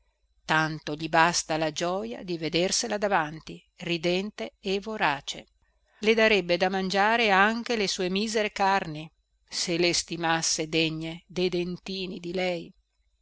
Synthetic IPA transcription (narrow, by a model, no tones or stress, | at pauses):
t̪ant̪oʎibast̪alad͡ʒɔja̰d̪ived̪erselad̪avant̪i | rid̪ɛnt̪eːvoɾaːt͡ʃḛ | led̪aɾɛbːed̪amand͡ʒaːɾeaŋk̟elesuːemiːzeɾekarni | selest̪imasːed̪eɲːed̪ejd̪ent̪iːnid̪ilɛj